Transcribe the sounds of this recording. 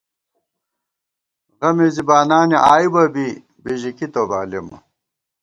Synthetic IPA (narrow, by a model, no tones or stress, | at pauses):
ɣɐmezibaːnaːniʔaːibɐbi | biʑikit̪oːbaːlḛmɐ̰